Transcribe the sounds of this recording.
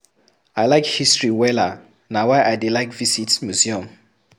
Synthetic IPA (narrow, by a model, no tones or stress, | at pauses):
aɪlaɪkhistɹiwɛla | nawaɪʔajdelaɪkvisitmjuziɔ̃m